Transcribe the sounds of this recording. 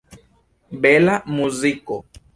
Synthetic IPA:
bɛlamuzikɔ

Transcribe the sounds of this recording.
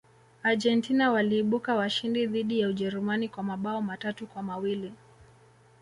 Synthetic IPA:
aʄɛntinawaliːɓukawaʃindiðiɗijauʄɛɾumanikwamaɓaɔmatatukwamawili

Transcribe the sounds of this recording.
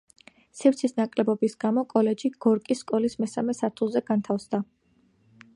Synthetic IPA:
sɛɾt̪sʰisnakʼlɛbɔbisɡ̥amɔkʼɔlɛd͡ʒiɡ̥ɔɾkʼisːkʼɔlismɛsamɛsaɾt̪ʰulˠzɛɡ̥ant̪ʰafsd̪a

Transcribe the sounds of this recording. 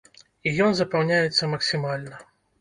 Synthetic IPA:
ijɔnzɐpɐwnʲajɛt̪sːɐmɐksʲimalʲnɐ

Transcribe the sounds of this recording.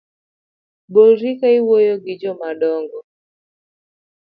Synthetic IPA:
bɔɾikaiwɔjɔɡid͡ʒɔmaɗɔŋɡɔ

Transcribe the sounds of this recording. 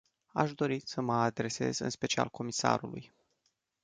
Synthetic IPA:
aʃd̪o̞ɾisəməad̪ɾe̞se̞̰zɨ̰nspe̞t͡ʃia̰lko̞misa̰ɾuluj

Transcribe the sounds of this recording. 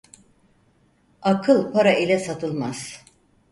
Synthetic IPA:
akʰɯlˠpʰaɾailʲɛsat̪ʰɯlˠmaz̥

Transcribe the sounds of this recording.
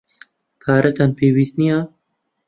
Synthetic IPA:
pʰaːɾʔɛt̪ʰaːnpʰeːwiːsnijaː

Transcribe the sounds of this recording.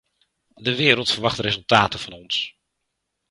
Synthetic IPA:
dəʋɪːɾəlˠtfərʋɑχtrezɵlˠtaːtəv̥ɑnɔns

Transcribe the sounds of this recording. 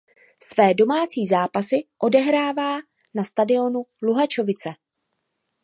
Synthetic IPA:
svɛːdo̞maːt͡siːzaːpasɪʔo̞dɛɦɾaːvaː | nast̪adɪo̞nuluɦat͡ʃo̞vɪt͡sɛ

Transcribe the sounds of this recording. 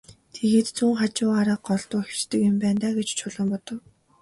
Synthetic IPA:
t̪ʰeɣeːt̪t͡suːŋχat͡ɕʊːaɾaːɢɔɮt̪ʊːxt͡ɕt̪ɘ̆kjʊmpæːnt̪aːɡet͡ɕt͡ɕʰʊɮə̆mpɔt̪ɞ̆w

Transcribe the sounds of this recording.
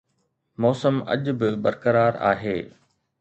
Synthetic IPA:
mɔːsəmɐ̰ʄbɪbɐɾkəɾaːɾa̰ːɦeː

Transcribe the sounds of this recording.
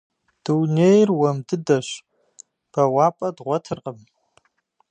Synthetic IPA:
d̥ɨwnejrwɐmdɨdɐʃ | b̥ɐwaːpʼɐdʁʷɔtʰɨrqʼəm

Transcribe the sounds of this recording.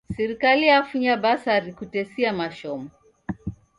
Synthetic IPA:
sɛɾikalijafuɲabasaɾikutɛsiamaʃɔmu

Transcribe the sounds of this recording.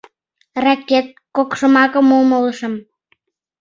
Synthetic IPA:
rɑkːet̪̚kokʃəmɑkəmolmələʃəm

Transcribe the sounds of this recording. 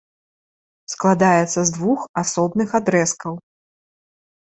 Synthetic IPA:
sklˠad̪ajɛt̪sːɐzd̪vuxasɔbnɨxad̪ɾɛskɐw

